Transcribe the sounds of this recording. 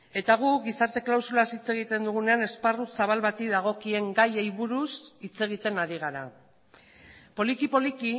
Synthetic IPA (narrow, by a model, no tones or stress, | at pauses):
e̞t̪aɣ̞uɣisaɾt̪e̞klawsulasit͡se̞ɣit̪e̞nd̪uɣune̞ane̞sparusaβ̞alβat̪iðaɣ̞o̞kie̞ŋɡajejβuɾusit͡se̞ɣ̞it̪e̞naɾiɣ̞aɾa | po̞likipo̞liki